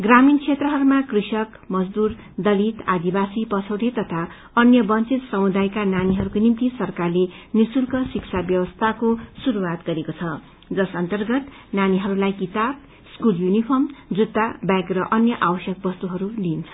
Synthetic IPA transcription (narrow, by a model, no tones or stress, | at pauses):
ɡramint͡sʰet̪rʌɦʌɾumakrisʌk | mʌd͡zd̪ur | d̪ʌlit̪ad̪ibasipʌt͡sʰʌwɾit̪ʌt̪ʰa | ʌnjʌbʌnt͡sit̪sʌmud̪ajkananiɦʌɾukonimt̪isʌrkarlenisulkʌsiksʰabjʌwʌst̪ʰakosuɾuwat̪ɡʌɾekot͡sʰʌ | d͡zʌsʌnt̪ʌrɡʌt̪ | naniɦʌɾulajkit̪ab̚ | skuljunipʰʌmd͡zud̪ːabjaɡrʌʔʌnjʌʔawʌsjʌk̚bʌst̪uɦʌɾulint͡sʰʌ